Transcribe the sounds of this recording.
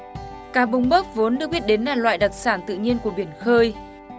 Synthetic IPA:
kaː˧˩ɓʊ˨˧wŋ͡mɓəː˦˥k̚vo˨˦nɗɨ˨˩ək̚ɓi˦˥ət̚ɗe˨˦nlaː˨˩lwa̰ː˧˨jɗa˨˩t̚saː˧˩nt̪ɨ̰˧˨ɲi˧ənku˧˩əɓi˧˩ənxəː˧j

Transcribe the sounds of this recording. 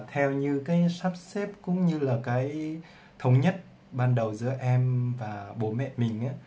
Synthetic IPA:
t̪ʰɛ˧wɲɨ˧kaː˨˦jsa˦˥p̚sɛ˦˥p̚kʊ̰˧˥ŋ͡mɲɨ˧laː˨˩kaː˨˦j | t̪ʰə˧wŋ͡mɲə˦˥t̚ | ɓaː˧nɗə˨˩wzɨ̰˧˥əʔɛ˧mvaː˨˩ɓo˧˩mɛ̰˧˨mï˨˩ŋ̟ʔaː˨˦

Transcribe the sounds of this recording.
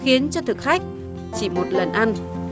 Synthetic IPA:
xi˨˦ənt͡ɕɔ˧t̪ʰɨ˨˩k̚xa˦˥jk̚ | t͡ɕi˧˩mo˨˩t̚lə˨˩nʔa˧n

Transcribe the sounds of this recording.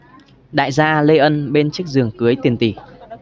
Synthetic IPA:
ɗa̰ː˧˨jzaː˧le˧ʔə˧nɓe˧nt͡ɕɨ˦˥k̚zɨ˨˩əŋkɨ˨˦əjt̪i˨˩ənt̪i˧˩

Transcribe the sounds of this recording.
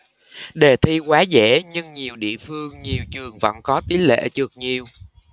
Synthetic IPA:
ɗe˨˩t̪ʰi˧kwaː˨˦zɛ̰˧˥ɲɨ˧ŋɲi˨˩əwɗḭ˧˨əfɨ˧əŋɲi˨˩əwt͡ɕɨ˨˩əŋvə̰˧˥nkɔ˨˦t̪i˨˦lḛ˧˥t͡ɕɨ˨˩ək̚ɲi˨˩əw

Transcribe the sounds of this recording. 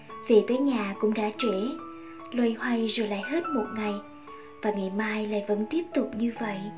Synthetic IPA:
vi˨˩t̪əː˨˦jɲaː˨˩kʊ̰˧˥ŋ͡mɗa̰ː˧˥t͡ɕe˧˩ | lwə˧jhwa˧jzo˨˩jla̰ː˧˨jhe˦˥t̚mo˨˩t̚ŋa˨˩j | vaː˨˩ŋa˨˩jmaː˧jla̰ː˧˨jvə̰˧˥nt̪i˦˥əp̚t̪ʊ˨˩k͡p̚ɲɨ˧və̰˧˨jʔ

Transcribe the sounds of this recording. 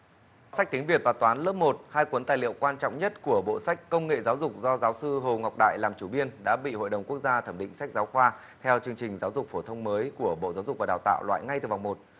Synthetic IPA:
sa˦˥k̟̚t̪i˨˦ŋvi˨˩ət̚vaː˨˩t̪waː˨˦nləː˦˥p̚mo˨˩t̚haː˧jkwə˨˦nt̪aː˨˩jlḭ˧˨əwkwaː˧nt͡ɕɔ̰˧˨wŋ͡mɲə˦˥t̚ku˧˩əɓo̰˧˨sa˦˥jk̟̚kə˧wŋ͡mŋḛ˧˨zaː˨˦wzʊ˨˩k͡p̚zɔ˧zaː˨˦wsɨ˧ɦo˨˩ŋa˨˩k͡p̚ɗa̰ː˧˨jlaː˨˩mt͡ɕu˧˩ɓi˧ənɗa̰ː˧˥ɓḭ˧˨ho̰˧˨jɗə˨˩wŋ͡mku˦˥ək̚zaː˧t̪ʰəː˧˩mɗḭ˧˨ŋ̟sa˦˥jk̟̚zaː˨˦wxwaː˧ | t̪ʰɛ˧wt͡ɕɨ˧əŋt͡ɕï˨˩ŋ̟zaː˨˦wzʊ˨˩k͡p̚fo˧˩t̪ʰə˧wŋ͡mməː˨˦jku˧˩əɓo̰˧˨zaː˨˦wzʊ˨˩k̚vaː˨˩ɗaː˨˩wt̪a̰ː˧˨wlwa̰ː˧˨jŋa˧jt̪ɨ˨˩va˨˩wŋ͡mmo˨˩t̚

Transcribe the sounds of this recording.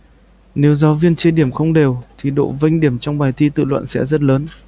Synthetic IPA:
ne˨˦wzaː˨˦vi˧ənt͡ɕi˧ɗi˧˩əmxə˧wŋ͡mɗe˨˩wt̪ʰi˨˩ɗo̰˧˨və˧jŋ̟ɗi˧˩əmt͡ɕɔ˧wŋ͡mɓaː˨˩jt̪ʰi˧t̪ɨ̰˧˨lwə̰˧˨nsɛ̰˧˥zə˦˥t̚ləː˨˦n

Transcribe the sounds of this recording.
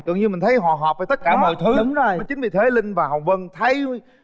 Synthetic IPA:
kɨ̰˧˨əŋɲɨ˧mï˨˩ŋ̟t̪ʰə˨˦jɦɔ̰˧˨ɦɔ˨˩p̚faː˨˩t̪ə˦˥t̚kaː˧˩mɔ̰˨jt̪ʰɨ˨˦ɗʊ˨˦ŋ͡mzo˨˩jjt͡ɕï̟˨˦vḭ˨t̪ʰe˨˦lï˧ŋ̟vaː˨˩hə˨˩wvə˧nt̪ʰə˨˦j

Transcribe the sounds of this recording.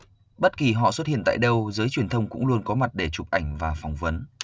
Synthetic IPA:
ɓə˦˥t̚ki˨˩ɦɔ̰˧˨swə˦˥t̚hḭ˧˨ənt̪a̰ː˧˨jɗə˧wzəː˨˦jt͡ɕwi˨˩ənt̪ʰə˧wŋ͡mkʊ̰˧˥ŋ͡mlu˧ənkɔ˨˦ma˨˩t̚ɗe˧˩t͡ɕʊ˨˩p̚ʔa˧˩jŋ̟vaː˨˩fa˨˩wŋ͡mvə˨˦n

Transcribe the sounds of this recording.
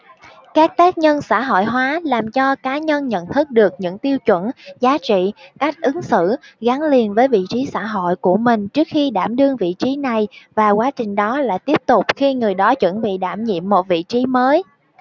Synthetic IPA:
kaː˦˥k̚t̪aː˦˥k̚ɲə˧nsa̰ː˧˥ɦo̰˧˨jɦwaː˨˦laː˨˩mt͡ɕɔ˧kaː˨˦ɲə˧nɲə̰˧˨nt̪ʰɨ˦˥k̚ɗɨ˨˩ək̚ɲɨ̰˧˥ŋt̪i˧əwt͡ɕwə̰˧˩nzaː˨˦t͡ɕḭ˧˨ka˦˥jk̟̚ʔɨ˨˦ŋsɨ̰˧˨ɣa˨˦ŋli˨˩ənvəː˨˦jvḭ˧˨t͡ɕi˨˦sa̰ː˧˩ɦo̰˧˨jku˧˩əmï˨˩ŋ̟t͡ɕɨ˦˥ək̚xi˧ɗaː˧˩mɗɨ˧əŋvḭ˧˨t͡ɕi˨˦na˨˩jvaː˨˩kwaː˨˦t͡ɕï˨˩ŋ̟ɗɔ˨˦la̰ː˧˨jt̪i˦˥əp̚t̪ʊ˨˩k͡p̚xi˧ŋɨ˨˩əjɗɔ˨˦t͡ɕwə̰˧˥nɓḭ˧˨ɗaː˧˩mɲḭ˧˨əmːo˨˩t̚vḭ˧˨t͡ɕi˨˦məː˨˦j

